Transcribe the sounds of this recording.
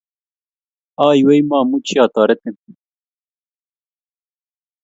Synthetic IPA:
aːjwejmaːmut͡ɕʰiaːt̪aːɾet̪en

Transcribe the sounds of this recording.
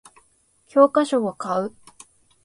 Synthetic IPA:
kʲʰo̞ːkaɕo̞akaɯ̟

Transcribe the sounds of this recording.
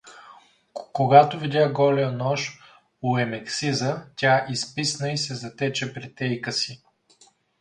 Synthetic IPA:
koɡat̪ovidʲaɡɔlɛənɔʃ | ʊɛmɛksizətʲaʔispisnəisɛzɐt̪ɛt͡ʃɛpɾit̪ɛjkəsi

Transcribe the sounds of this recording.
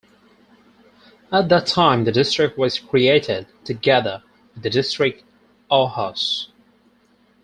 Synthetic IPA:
ət̪̚ðətʰãɪ̃mðɨdɪstɹ̥ɪk̚t̚wʌz̥kʰɹ̥ieɪɾɪd̚tʰɨɡɛðə˞ | ɪðɨdɪstɹ̥ɪk̚t | ɔhəs

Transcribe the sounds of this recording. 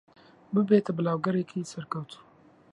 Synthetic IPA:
bɨbet̪ʰɐbəlawɡɐɾekʰijsɐɾkɐwt̪ʰu̥

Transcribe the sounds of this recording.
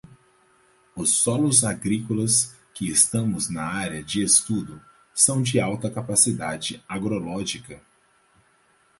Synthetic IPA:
ʊsːɔlʊzaɡɾikolɐs | kɪest̪ɐ̃mʊznɐaɾjɐd͡ʒɪest̪ud̪ʊ | sɐ̃w̃d͡ʒɪawt̪ɐkapasid̪ad͡ʒɪaɡɾolɔʒikɐ

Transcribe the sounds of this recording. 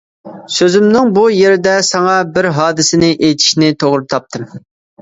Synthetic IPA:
søzymnɪŋbujeɾɪd̪ɛsɑŋɑbɪɾɦɑːd̪ɪsɪnɪʔejt̪ʰi̥ʃnɪt̪ʰoʁɾɨt̪ʰɑp̚t̪ʰɨm

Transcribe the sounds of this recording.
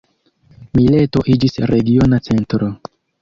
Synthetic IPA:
mile̞to̞ʔid͡ʒisɾeɡio̞nat͡se̞ntɾo

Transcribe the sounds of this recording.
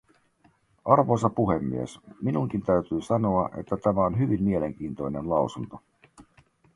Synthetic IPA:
ʔɑrʋo̞sɑpuɦemːḭesminuŋk̟int̪æɥt̪yːsɑnoɑʔe̞̰t̪ːæt̪æmæo̞nɦyʋimːmie̞le̞ŋk̟iːnt̪ojne̞nlɑwsunt̪o

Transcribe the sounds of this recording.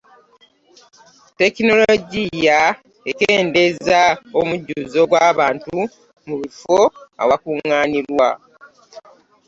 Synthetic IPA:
te̞kino̞loɟija | ekeːnde̞zaomuɟːuːzo̞ɡwaːβaːntu | muβifoa̰wakuŋːaːniɾwa̰

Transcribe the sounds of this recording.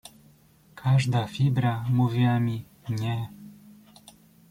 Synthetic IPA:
kʰaʐd̪afibɾamuvʲiamʲi | ɲɛ

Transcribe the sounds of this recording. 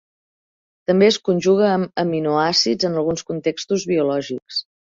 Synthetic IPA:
t̪əmbeəskunʲʒuɣ̞əəmːinuasid͡zənəlˠɣunskunt̪ekst̪uzβiulɔʒiks

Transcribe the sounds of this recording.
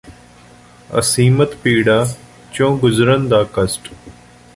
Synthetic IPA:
ə̰siːmət̪piːɽaː | t͡ʃõːɡʊzɾənd̪aːkəsʈ

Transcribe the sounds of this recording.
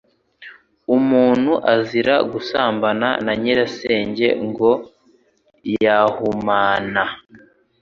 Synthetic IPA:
umuːn̥huʔaziɾa̰ɡusaːmbana̰naɲeɾaseːɲɟe̞̰ŋɡo̞ | jahumaːna

